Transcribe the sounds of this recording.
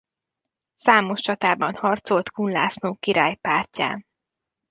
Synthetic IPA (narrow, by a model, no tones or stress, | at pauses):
saːmo̞ʃt͡ʃɒt̪aːbɒnhɒrt̪so̞lt̪kunla̰ːsnoːkiɾaːjpaːrca̰ːn